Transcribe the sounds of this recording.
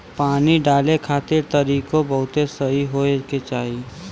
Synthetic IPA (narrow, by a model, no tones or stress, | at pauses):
paːniɖaːlekʰaːt̪eɾt̪əɾiːkõbɐɦʊt̪esɐɦiɦoeket͡ʃaːɦi